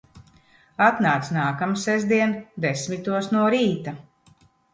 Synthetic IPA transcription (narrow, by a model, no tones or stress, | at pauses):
at̪naːt̪snaːkamsɛzd̪iɛnd̪esmit̪uɔsnuɔɾiːt̪a